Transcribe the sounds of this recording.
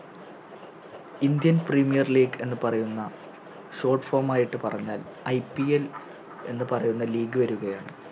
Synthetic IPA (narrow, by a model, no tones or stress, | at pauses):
ind̪jɐnprimijɐrliːɡe̞nːɨpɐrɐjunːɐ | ɕo̞ːrʈfoːmaːjiʈːɨpɐrɐɲːaːl | ɐjpiel | e̞̰nːɨpɐrɐjunːɐliːɡɨʋɐɾuɣɐjaːɳɨ